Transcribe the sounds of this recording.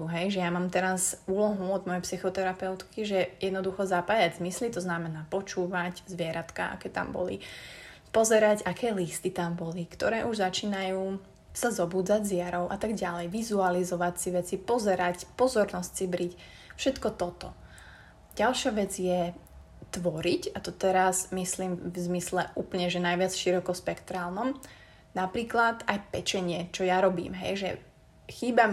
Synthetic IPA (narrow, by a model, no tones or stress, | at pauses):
ɦɛjʒɛjamaːmt̪ɛɾasuːlɔɦuɔd̪mɔjɛpsixɔt̪ɛɾapɛʊt̪kiʒɛjɛd̪nɔd̪uxɔzapaːjaɟzmislit̪ɔznamɛnaːpɔt͡ʃuːʋaɟzʋɪɛɾat̪ka̰ʔa̰kɛːt̪a̰mbɔ̰lḭ | pɔzɛɾaɟakɛːlist̪it̪ambɔlikt̪ɔɾɛːʔuʒzat͡ʃiːnajuː | sazɔbuːd͡zaɟzɪaɾɔʊʔat̪aɡɟalɛjʋizualizɔʋacsiʋɛt͡sipɔzɛɾacpɔzɔɾnɔsc̚sibɾic | fʃɛt̪kɔt̪ɔt̪ɔ | ɟ̥alʃaʋɛd͡zjɛ | t̪ʋɔɾicat̪ɔt̪ɛɾazmisliːmvzmislɛʔuːpl̩ɲɛʒɛnajʋɪat͡sʃiɾɔkɔspɛkt̪ɾaːlˠnɔm | napɾiːklat̪ajpɛt͡ʃɛɲɪɛt͡ʃɔjaɾɔbḭːmɦɛ̰jʒɛ̰ | xiːba